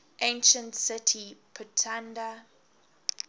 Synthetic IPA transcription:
ʔẽnʃə̃ntsɪtʰipʰətʰãnda

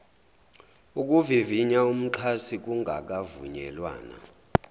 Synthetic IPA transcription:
uk̬ʼuviviɲaum̩ǁʰasik̬uŋʱa̰k̬ʼavṵɲɛ̰lwa̰ːna̰

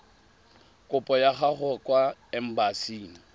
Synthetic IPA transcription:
kʼʊpʼɔjaχaχɔkʼwaɛm̩basiːŋi

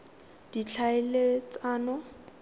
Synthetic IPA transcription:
d̥it͡ɬʰaɪlet͡saːnɔ

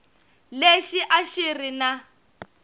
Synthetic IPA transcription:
leʃiʔaʃirina

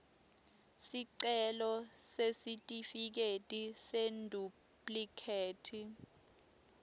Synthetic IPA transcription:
siǀɛlɔsesitʼifik̬etʼisendʱu | pʼlikʰeːtʰi

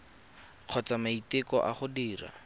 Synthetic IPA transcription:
q͡χʰɔt͡samaitɪkɔʔa̰χʊdiːra̰

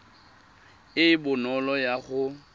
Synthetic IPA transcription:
ɪɪbʊnɔlɔjaɣʊ

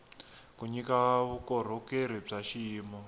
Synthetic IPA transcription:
kuɲikaβukɔɾ̤ukeɾ̤ib͡ʐaʃiːmɔ

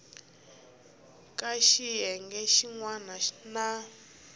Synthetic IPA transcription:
kʼaʃiɦɛŋɡɛʃiŋwanana

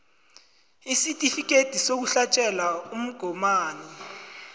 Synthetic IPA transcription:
isitʼifik̬ʼed̥ʱisok̬uɬat͡ʃʼɛlaum̩ɡ̥ʱɔmaːnɛ

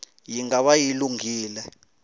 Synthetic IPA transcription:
jiŋɡaɓajiluŋɡiːlɛ

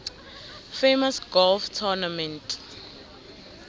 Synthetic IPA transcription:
femasɡɔlftʰɔnamɛ̃ntʰʼ

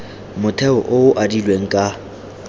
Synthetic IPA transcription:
mʊtʰɛɔ̰ʔʊʊʔadilweŋ̩kʼa

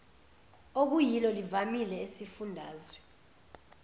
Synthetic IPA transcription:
ok̬ujilɔlivamilɛesifundʱaːzwɛ

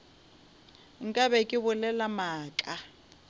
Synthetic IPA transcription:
ŋ̩kʼabɛkʼɪbʊlɛlamaːkʼa

